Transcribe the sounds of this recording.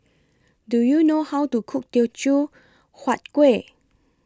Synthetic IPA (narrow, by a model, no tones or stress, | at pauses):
dujunohawtukʰuk̚tit͡ʃu | hwat̚kwe